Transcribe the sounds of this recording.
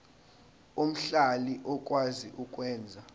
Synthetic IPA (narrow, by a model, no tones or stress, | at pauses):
um̩ɬaliʔɔk̬ʼwaziʔukʼwɛːnd͡zʱa